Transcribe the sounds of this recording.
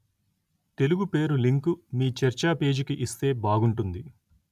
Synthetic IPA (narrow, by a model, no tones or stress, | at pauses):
t̪e̞luɡupe̞ːɾuliŋkumiːt͡ʃɛɾt͡ʃaːpe̞ːd͡ʒikiʔist̪e̞ːbaːɡuɳʈund̪i